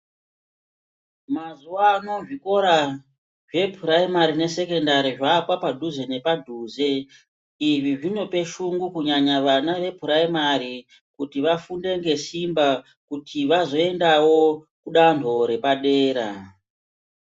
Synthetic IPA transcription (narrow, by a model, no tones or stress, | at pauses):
mazuaːno̞ʐiko̞ɾa | ʐe̞pʰuɾaimaɾine̞se̞ke̞ndaɾiʐapwapadʱuze̞ne̞padʱuːze̞ | iʐiʐino̞pe̞ʃuŋɡukuɲaɲaʋanaʋe̞pʰuɾaimaɾi | kutiʋafunde̞ŋɡe̞simba | kutʰiʋazo̞e̞ndawo̞kuɗantʰo̞ɾe̞paɗeːɾa